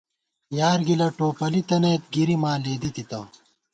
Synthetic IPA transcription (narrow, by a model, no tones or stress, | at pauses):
jaːɾɡilɐʈoːpɐlit̪ɐnɐjt̪̚ɡiɾimaːleːd̪it̪it̪ɐ